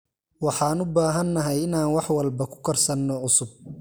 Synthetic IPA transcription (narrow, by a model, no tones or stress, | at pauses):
wɑħɑːnʊbaːɦɐnːɐɦɛjɪnaːnwɑħwɐlbɐkʰʊ̥kʰɐrsɐnːɔʕʊsʊb̚